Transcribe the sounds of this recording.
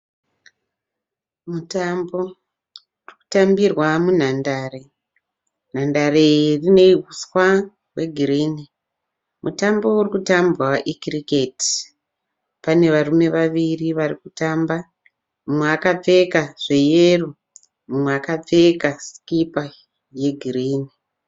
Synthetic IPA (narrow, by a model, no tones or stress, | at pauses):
mutambo̞ | uriku̥tambirwamun̤andaːre̞ | n̤andarerine̞iɦuswa | we̞ɡʱiɾiːni | mʔutambo̞urikutambraʔikriketi̥ | pane̞ʋarume̞ʋaʋiriʋarikutaːmba | mumweakab͡ve̞kaʐ̥e̞jeru | mumweakab͡vekaskipa | je̞ɡʱiriːni